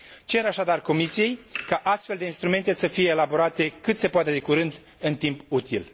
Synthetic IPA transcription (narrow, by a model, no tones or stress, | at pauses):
t͡ʃe̞ɾaʃad̪arko̞misije̞jkaʔast̪fe̞ld̪einst̪ɾume̞nt̪e̞səfije̞ːlabo̞ɾat̪e̞kɨt̪se̞poat̪e̞d̪e̞kuɾɨnd̪ | ɨnt̪imput̪il